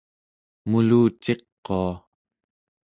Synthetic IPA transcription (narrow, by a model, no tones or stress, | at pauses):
muluːt͡ʃe̞qːoa